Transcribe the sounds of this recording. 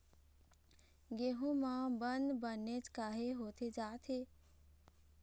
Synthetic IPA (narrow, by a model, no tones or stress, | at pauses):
ɡeːɦũmãbə̃nd̪bənːet͡ʃkaːɦeɦoːt̪ʰed͡ʒaːt̪ʰɦeː